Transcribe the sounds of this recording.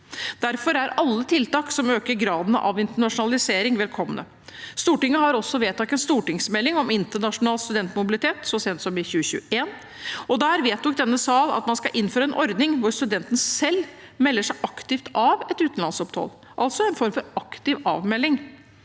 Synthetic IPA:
d̪̥æɾfɔɾæɾɑlːət̪ʰɪlt̪ɑːksɔmøːkəɾɡɾɑːd̪n̰ʔɑ̰ʋɪnt̪əɳɑʂʊnɑlɪseːɾɪŋʋɛlkʰɔmːənə̰ | st̪uːʈɪŋːəɦɑɾɔsːɔʋeːt̪ʰːɑk̪̚ɛnst̪uːʈɪŋsmɛlːɪŋɔmɪnt̪əɳɑʂʊnɑːlst̪ʉd̪ɛnt̪mʊbɪlɪt̪ʰeːt̪sɔseːd̪nsɔmɪçʉːəçʉ̰ːəeːn | ɔd̪æːɾʋeːt̪d̪ɔk̚d̪ɛnːəsɑːlɑ̰t̪mɑnskɑʔɪnːføːɾəɛnʔɔɾd̪nɪŋʋʊɾst̪ʉd̪ɛnt̪ən̩sɛlː | mɛlːəʂæɪʔɑkt̪ɪft̪ɑʋɛt̪ʉːt̪n̩lɑnsɔpt̪ʰɑ̰l | ʔɑlt̪sɔɛnfɔɾmfɔɾɑkt̪ɪʋɑ̰ːʋmɛlːɪŋ

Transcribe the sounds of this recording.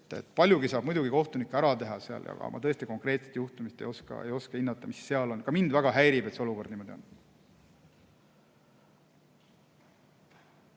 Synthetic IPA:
t̪ːḛt̪ːˑpɑlʲjuɡisɑːb̥mujd̪uɡikoht̪unikːeæɾɑt̪e̞ɦɑseɑ̰ljɑ̰ɡ̥ɑ̰mʔɑ̰t̪ɤest̪iko̞ŋkre̞ːt̪set̪juht̪umist̪e̞joskɑ̰ejo̞skɑhinːɑt̪ːˑɑmisːe̞ɑlo̞nkɑmind̪væɡ̥ɑɦæjɾibe̞t̪seoluko̞rd̪niːmo̞d̪io̞n

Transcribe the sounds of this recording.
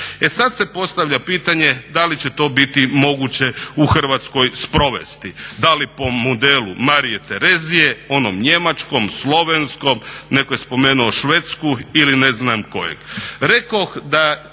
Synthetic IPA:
e̞sad̪se̞po̞st̪aʋʎʲapiːt̪aɲe̞d̪alit͡ɕet̪o̞ːbit̪imo̞ɡut͡ɕe̞uxr̩ʋat̪sko̞jspɾo̞ʋḛst̪id̪alipo̞mod̪elumaɾije̞t̪eɾe̞zije̞o̞nomɲe̞mat͡ʃko̞mslˠo̞ʋensko̞mne̞kojespo̞meːnuoʃʋet̪skuilineznamko̞̰jḛɡɾe̞kaxd̪a

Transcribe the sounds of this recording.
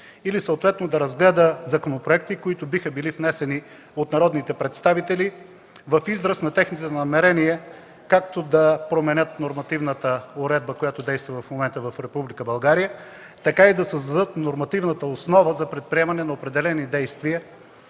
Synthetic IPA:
ilisəot̪vɛt̪nod̪ɐɾɐzɡlɛd̪əzɐkonopɾoɛk̚t̪ikoit̪ʊbixəbilifnɛsɛni | ot̪nɐɾɔd̪nit̪ɛpɾɛt̪st̪avit̪ɛli | vɐfizɾəsnɐt̪ɛxnit̪onɐmɛɾɛniɛ | kakt̪od̪ɐpɾomɛnʲət̪noɾmɐt̪ivnət̪əoɾɛd̪̚bəkojat̪ʊd̪ɛjst̪vəvɐfmomɛnt̪əvɐfɾɛpublikəbɐlˠɡaɾijə | t̪ɐkaid̪ɐsəzd̪ɐd̪ɤt̪noɾmɐt̪ivnət̪əosnɔvəzɐpɾɛt̪̚pɾiɛmɐnɛnɐopɾɛd̪ɛlɛnid̪ɛjst̪viə

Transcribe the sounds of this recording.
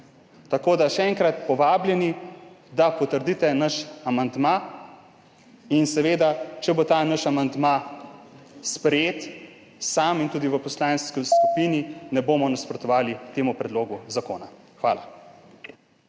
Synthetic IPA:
t̪akoːd̪aʃɛɛŋkɾat̪pɔʋaːbljɛnid̪apɔt̪əɾd̪it̪ɛnaʃamand̪ma | insɛʋeːd̪at͡ʃɛbot̪aːnaʃamand̪ma | spɾɛjeːt̪ | samint̪uːd̪iʋəpɔslaːnskiskupininɛboːmɔnaspɾɔt̪ɔʋaːlit̪eːmupɾɛd̪loːɡuzakoːna | xʋa̰ːla

